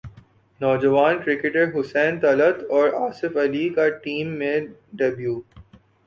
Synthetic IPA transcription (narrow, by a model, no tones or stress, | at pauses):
nɔːd͡ʒəʋaːnkɾɪkɪʈəɾɦʊsɛ̃ːnt̪ɐlət̪ɔːɾaːsɪfɐlikaʈiːmːẽɖebjuː